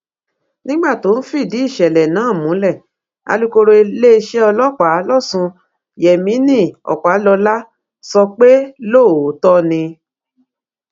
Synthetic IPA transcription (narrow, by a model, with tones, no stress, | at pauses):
nĩ˦ɡ͡ba˦˨to˨˦n̩˦fi˦˨di˨˦i˦˨ʃɛ˨lɛ˨nãː˨˦˨mũ˨˦lɛ˦˨ | a̰˧lu˦ko˧ɾo˧e˧le˦˧ʃɛ˦ɔ˧lɔ˦k͡pa˨˦lɔ˦˨sũ˧ | jɛ˨mĩ˨˦nĩ˦˨ɔ̰˨k͡pa˨˦lɔ˧la˦ | sɔ˧k͡pe˦lo˦˨o˨˦tɔ˦nĩ˧